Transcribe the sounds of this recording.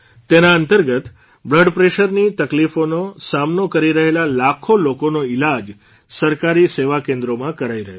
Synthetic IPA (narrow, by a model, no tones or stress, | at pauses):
t̪enaənt̪əɾɡət̪ | bləɖpɾeɕəɾniːt̪əklifonosamnokəɾiɾəɦelalakʰolokonoilad͡ʒ | səɾkaɾiːseʋakẽnd̪ɾomãkəɾaiɾəɦjo